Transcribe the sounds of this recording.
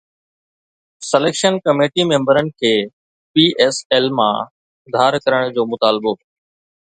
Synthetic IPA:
səleːkʃənkəmeːʈimẽːmbəɾənɪ̆kʰeː | piːʔeːseːlmã̰ː | d̪ʱaːɾkəɾəɽ̃d͡ʑoːmʊt̪aːlbo

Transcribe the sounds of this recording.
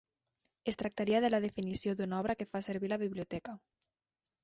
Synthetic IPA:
est̪ɾak̚t̪aɾiaðelað̞efinisjoðunaɔβ̞ɾakefaseɾβilaβiβliot̪ɛka

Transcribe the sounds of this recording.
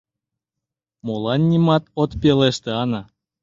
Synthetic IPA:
molˠɑnʲːimɑt̪ot̪pʲeleʃt̪ĕɑnɑ

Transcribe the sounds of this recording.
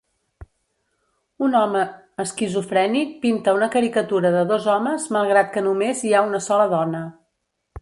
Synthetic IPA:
unɔməː | skizufɾɛnik̚pint̪əunəkəɾikət̪uɾəðəðozɔməzməlˠɣɾat̪̚kənumeziaunəsɔləðɔnə

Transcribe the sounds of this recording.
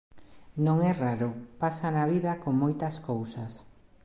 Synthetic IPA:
nõŋɛraɾʊpasanaβiðɐkoŋmojt̪ɐskowsɐs

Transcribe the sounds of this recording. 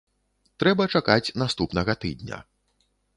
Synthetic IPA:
t̪ɾɛbɐt͡ʂakat͡sʲnast̪upnɐɣɐt̪ɨ̰d̪nʲɐ̰

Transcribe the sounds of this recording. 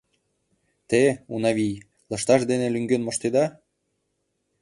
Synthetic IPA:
t̪eunɑβʲij | lɤ̆ʃt̪ɑʃd̪enelyŋɡønmɤ̆ʃt̪ed̪ɑ

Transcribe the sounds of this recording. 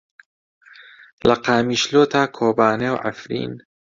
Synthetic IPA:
lɐqaːmiːʃloːt̪ʰaːkʰoːbaːnewʕa̰fɾḭːn

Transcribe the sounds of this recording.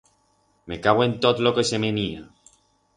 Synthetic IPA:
mekaβoent̪ot̪lokesemenia

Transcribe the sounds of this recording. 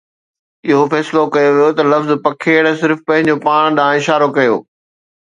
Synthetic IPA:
ɪɦofɛːsɪlokɐjoʋijot̪ɐlɐfzpɐkʰeːɽ̃̆sɪɾfpɐ̃ɦɪ̃ɲd͡ʑopaːɽ̃ɗãːɪʃaːɾokɐjo̰ː

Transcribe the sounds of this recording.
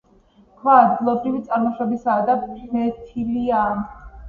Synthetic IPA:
kʰwaːd̪ɡilˠɔbɾivit̪sʼaɾmɔʃɛbisaːd̪amɛt̪ʰilia

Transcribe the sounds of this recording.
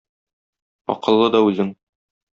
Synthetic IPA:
ɒ̰qɤ̆lˠːɤd̪ɒʉzɘŋ

